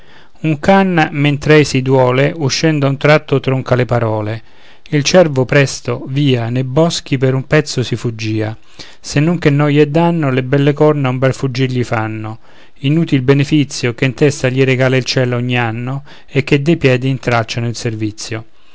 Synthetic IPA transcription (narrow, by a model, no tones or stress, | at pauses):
uŋkanmɛnt̪ɾɛjsid̪wɔːleʔuʃːɛnd̪aunt̪ɾat̪ːʊt̪ɾɔŋkalɪpaɾɔːle | ilt͡ʃɛrvʊpɾɛst̪oviːanebɔsk̟ipeɾumpɛt̪sːʊsifud͡ʒːiːa | senːoŋk̟enːɔjɛd̪ːanːolebɛlːekɔrnaumbɛlfud͡ʒːiɾʎifanːʊ | inuːt̪ilbenefit̪sːjokent̪ɛst̪aʎiɾeɡaːlailt͡ʃɛːlɔɲːianːo | ek̟ːed̪ːejpjɛːd̪iːnt̪ɾat͡ʃːanʊilservit̪sːjo